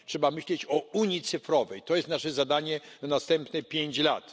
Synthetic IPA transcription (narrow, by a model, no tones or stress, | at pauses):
tʂɛbamɘɕlɛt͡ɕɔuɲit̪sɘfɾɔvɛjt̪ɔjɛst̪naʂɛzad̪aɲɛnanast̪ɛmpnɛpʲjeɲt͡ɕla̰t̪